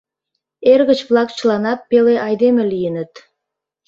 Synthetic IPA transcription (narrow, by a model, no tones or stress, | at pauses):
erɣə̆t͡ɕvlˠɑkt͡ɕəlɑnɑpːeleʔɑjd̪emə̆lijənə̆t̪